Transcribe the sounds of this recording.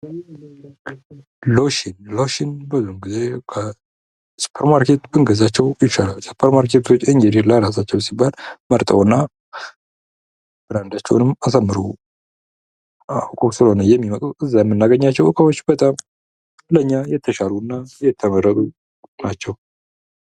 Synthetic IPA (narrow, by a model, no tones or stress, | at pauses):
loʃɪnloʃɪnbəzumɡize̞kʰə | su̥pʰəɾmaɾkʰe̞t̪bɨŋɡəzat͡ʃːɛwjɪt͡ʃːalalsu̥pʰəɾmaɾkʰe̞t̪ʰo̞t͡ʃːɨɲd͡ʒed̪ilaɾas̬at͡ʃːɛwsibːalməɾt̪ʼə̰wɨnːa | b̥ɨɾand̪at͡ʃːɛwnɨmasəmːɨɾṵ | akʼəsɨləhonəjɛmːimət̪ʼuʔɨzːajɛmːɨnːaɡəɲːat͡ʃːɛwʔɨkʼəwo̞t͡ʃːbət̪ʼam | ləɨɲːajɛt̪ʰːəʃalunːajɛt̪ʰːəmərːət̪ʼu | nat͡ʃːɛw